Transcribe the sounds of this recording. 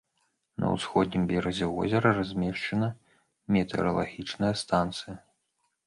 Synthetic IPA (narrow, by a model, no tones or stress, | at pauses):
nʔɐ̰wsxɔd̪̚ʲnʲimbʲɛɾɐd͡zʲɛvɔ̰zʲɐɾɐrazʲmʲɛʂt͡ʂɐnɐ | mʲɛt̪ɛ̰ɾɐlˠaɣʲit͡ʂnɐjɐst̪ant̪sɨjɐ